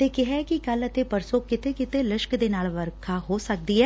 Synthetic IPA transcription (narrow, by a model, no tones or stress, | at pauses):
t̪ekɪɦɛkikələt̪epəɾsokɪt̪ekɪt̪elɪʃkd̪eːnaːlʋəɾkʰaɦoːsək̚d̪iɦɛː